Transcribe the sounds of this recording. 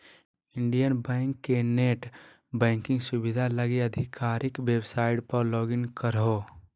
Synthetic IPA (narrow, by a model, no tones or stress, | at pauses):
ɪɳɖijənbɛ̃ɪŋkːeneʈ | bɛ̃ːŋkɪ̃ŋɡsʊbɪd̪ʱaləɡeəd̪ʱikaːɾʔɪkʋebsaːɪʈpəɾlɔːɡɪnkəɾɦo